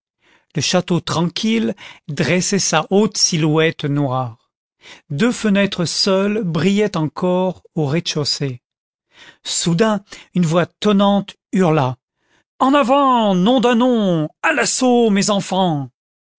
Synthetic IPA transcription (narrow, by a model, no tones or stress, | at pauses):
ləʃat̪ot̪χɑ̃kʲʰild̪ʁɛsɛsaʔot̪silwɛt̪nwaʁ | d̪øfənɛt̪χəsœlbʁijɛt̪ɑ̃kʰɔʁoʁeʃose | sud̪ɛ̃ynvwat̪ɔnɑ̃t̪ | yʁla | ɑ̃navɑ̃nɔ̃d̪ɛ̃nɔ̃alasomezɑ̃fɑ̃